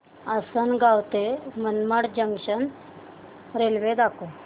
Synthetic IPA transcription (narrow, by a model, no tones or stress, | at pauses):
asənɡawt̪emənmaɽd͡ʑəŋɡʂən | ɾelʋed̪ako